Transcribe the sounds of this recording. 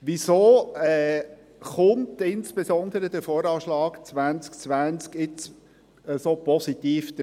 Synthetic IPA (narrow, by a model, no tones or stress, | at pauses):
ʋisoːɛː | χʊmtɪnsb̥esɔnd̪əɾəd̥̪əfoːɾɑːʃlɑːkt͡svænt͡skt͡svʋænt͡skɪt͡s | əsopɔsit̪iːfd̥̪ə